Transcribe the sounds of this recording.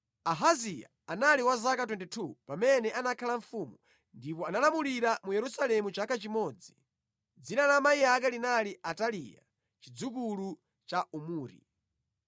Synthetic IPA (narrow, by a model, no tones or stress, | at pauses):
aɦazija̰ | analiwazakat̬wɛndɛtʰupamɛnɛʔanakʰalaɱfumu | ndipɔanalamuliɾamujɛɾusalɛmut͡ʃakʰat͡ʃimɔd͡zi | d͡zinalamaiakalinaliʔatalija̰ | t͡ʃid͡zuk̬ulu | t͡ʃaʔumuːɾḭ